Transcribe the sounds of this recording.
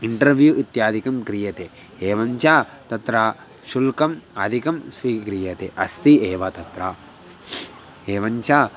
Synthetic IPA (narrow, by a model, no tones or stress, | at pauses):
iɳʈɐɾʋjuʔit̪jaːd̪ʱikɐmkɾijɐt̪e | eːʋɐɲt͡ʃaː | t̪ɐt̪ɾaː | ʃulkɐmɐd̪ʱikɐmsʋiːkɾijɐt̪ḛʔɐst̪ieːʋɐt̪ɐt̪ɾa | eːʋɐɲt͡ʃaː